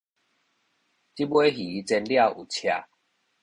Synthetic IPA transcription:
t͡ɕi˦bwe˦ɦi˨˦t͡sɛ˧nlja˥˨ʔu˨˩t͡ɕʰja˧

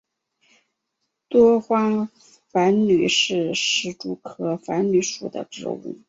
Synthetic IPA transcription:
t̪wɔ˥xwa˥ŋ | fa˧˥nny˨˩ʂɻ̩˥˩ʂɻ̩˧˥ʈ͡ʂu˥˩kʰɤ˥fa˧˥nny˧˥ʂṵ˨˩d̪ə̰˦ʈ͡ʂɻ̩̰˥˧ṵ˥˩

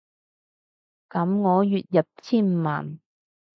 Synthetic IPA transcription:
kɐ˨˥mŋɔː˨˧jyː˨t̚jɐ˨p̚t͡sʰiː˥nm̩˨˧ma̰ː˨˩n

